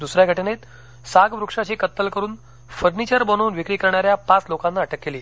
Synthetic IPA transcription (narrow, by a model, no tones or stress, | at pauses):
d̪usɾjaɡʱəʈenet̪ | saɡʋɾukʂat͡ɕiːkət̪ːəlkəɾuːn | fəɾnit͡ɕəɾbənoːnʋikɽiːkəɾɳaɾjapat͡slokãnːaəʈʰəkːeliː